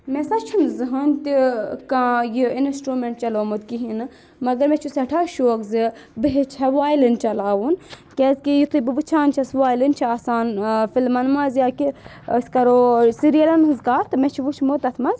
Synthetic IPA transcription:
mẽsɐt͡ʃʰunzɨɦɐnʲt̪ikãːjiinsʈɾuːmeɳʈ̚t͡ʃɐloːmɐd̪kiɦinɨ | mɐɡɐɾmẽt͡ʃʰusɐʈʰaːʃoːkzɨ | bəɦet͡ʃʰɐʋaːjlɐnt͡ʃɐlaːʋun | keːzkijit̪ʰɨbɨʋɨt͡ʃʰaːnt͡ʃʰɐsʋaːjlint͡ʃʰiaːsaːnfilmɐnmɐzjaki | skɐɾoːsiɾijɐlɐnɦɨzkaːɾt̪ɨmɛ̃t͡ʃʰiʋut͡ʃʰmot̪ɐt̪ʰmɐz

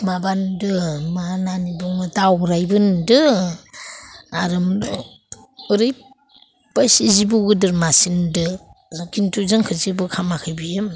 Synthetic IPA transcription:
mabandɯmananibuŋɯtawɾajbɯndɯ | aɾɯm | uɾɯj | basizibuɡɯdɯɾmasindɯkintʰuzɯŋkʰɯzibɯkʰamakʰɯjbɯjɯm

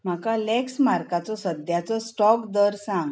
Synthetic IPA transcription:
m̤akalɛksmaɾkat͡sɔsəd̪ʱjat͡sɔsʈɔkd̪əɾsãŋɡ

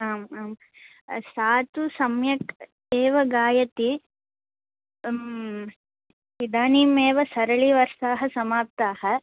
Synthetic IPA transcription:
aːmaːm | saːt̪usɐmjɐk | eːʋɐɡaːjɐt̪i | id̪aːniːmeːʋɐsɐɾɐɭiʋɐɾsaːɦɐsɐmaːp̚t̪aːhɐ̆

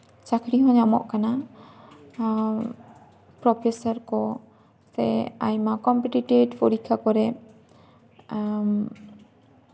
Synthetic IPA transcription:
t͡ʃakʰɾiɦɔ̃ɲamɔ̰ʔkana | pɾɔpʰesɔɾkɔ | sɛ̰a̰jmakɔmpɛʈiʈeɖpɔɾikʰakɔɾɛ | m

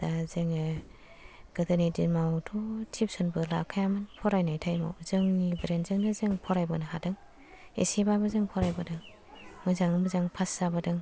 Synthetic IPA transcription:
dazɯŋɯ | ɡ̥ɯdɯnidimawtʰɔtʰip̚sɔnbɯla̰kʰajamɯnpʰɔɾajnajtʰajma̰wzɯŋibɾenzɯŋnɯzɯŋpʰɔɾajbɯnɯɦadɯŋ | ḛsibabɯzɯŋpʰɔɾajbɯdɯŋ | mɯzaŋɯmɯzaŋpʰasːabɯdɯŋ

